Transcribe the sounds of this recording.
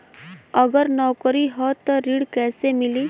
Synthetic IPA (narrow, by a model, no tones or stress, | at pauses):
əɡəɾnɔkəɾiɦɔt̪ɔɾiɽkɛːsemiliː